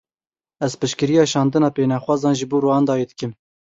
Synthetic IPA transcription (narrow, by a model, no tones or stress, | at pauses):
ɛzpɨʃkɨɾijɑːʃɑːnd̪ɨnɑːpeːnɑxʷwɑːzɑːnʒɨboːɾuːɑːnd̪ɑːjeːd̪ɨkɨm